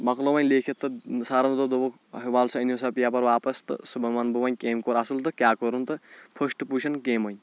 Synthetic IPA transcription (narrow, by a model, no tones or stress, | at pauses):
mɐklɐʋɐnʲleːkʰit̪ːɨsaːɾɐnd̪od̪oʋo | ɦiʋaːlsɐinjosɐpijaːpɐɾʋaːpɐst̪ɨ̰subɐmaːnbuʋɐɲʲkeːmkoːɾasult̪ɨkʲjaːkoɾunt̪ɨpʰɐʃʈput͡ʃʰɐnkeːmɐɲʲ